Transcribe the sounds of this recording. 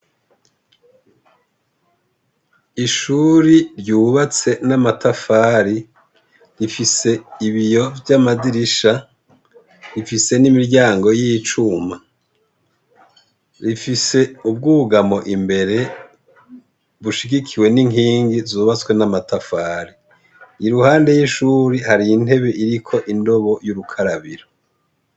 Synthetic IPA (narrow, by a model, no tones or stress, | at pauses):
iʃuːɾiɾɟuːβat͡se̞namatafaːɾi | ɾifise̞iβijo̞vjamadiɾiʃa | ɾifise̞nimiɾɟaːŋɡo̞jijːt͡ʃuma | ɾifise̞ub̚ɡuːɡamo̞ʔimbe̞ɾe̞ | βuʃiɡikʰiwe̞niŋɦiːŋɡizuβat͡swe̞namatafaːɾi | iɾuhaːnde̞jiʃuːɾihaɾiːn̥e̞βe̞ʔiɾikʰo̞ʔindo̞βo̞juɾukʰaɾaβiɾo